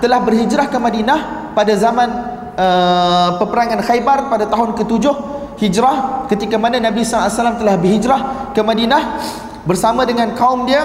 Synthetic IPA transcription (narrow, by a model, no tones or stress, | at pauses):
t̪əlahbərhid͡ʒɾahkəmadinah | padazamãn | əpəpəɾaŋãnxajbarpadat̪aɦʊnkət̪ud͡ʒʊh | hid͡ʒɾahkət̪ikamananãbisaasalamt̪əlahbərhid͡ʒɾahkəmadinah | bərsamãdəŋankaʊmdiə